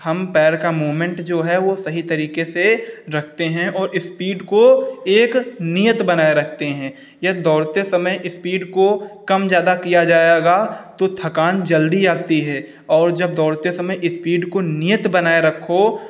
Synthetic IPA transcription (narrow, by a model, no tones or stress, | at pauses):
hɐmpɛːɾkamoːmẽɳʈd͡ʒoːɦɛʋosɐɦit̪ɐɾiːkeseɾɐkʰt̪eɦɛ̃ʔɔːɾɪspiːɖkoeːknijət̪bɐnaːeɾɐkʰt̪eɦɛ̃ː | jɐd̪ɔːɽt̪esɐməjʔɪspiːɖkokɐmd͡ʒjaːd̪akijad͡ʒaːeɡat̪ot̪ʰɐkaːnd͡ʒɐld̪id͡ʒaːt̪iɦɛː | ɔːɾd͡ʒɐb̚d̪ɔːɽt̪esɐməjʔɪspiːɖkonijət̪bɐnaːeɾɐkʰːo